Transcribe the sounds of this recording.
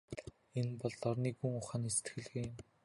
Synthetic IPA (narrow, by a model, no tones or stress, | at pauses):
enpɔɮːɔrniːkuŋʊχaːnist̪xɘ̆ɮɣeːm